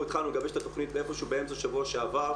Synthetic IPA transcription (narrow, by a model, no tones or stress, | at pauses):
it̪χalnuleɡabeʃe̥t̪at̪oχnit̪̚beefo̞ʃeubeemt͡soʃavuaʃeava